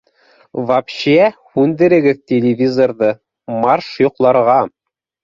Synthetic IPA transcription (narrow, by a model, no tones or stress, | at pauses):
vɑpɕæhʉnd̪ɘ̆ɾɘ̆ɡɘðt̪ʲelʲɪvʲizorðɤ | mɑrʃjŏqlˠɑɾʁɑ